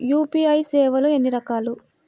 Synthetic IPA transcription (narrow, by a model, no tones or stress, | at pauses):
juːpiɐjsɛːʋɐluenːiɾɐkaːlu